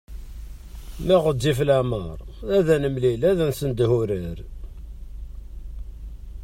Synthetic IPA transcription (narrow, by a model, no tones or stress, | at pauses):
mæʁədːiflæməɾˤ | æðænəmlilæðænsənd̪huɾəɾ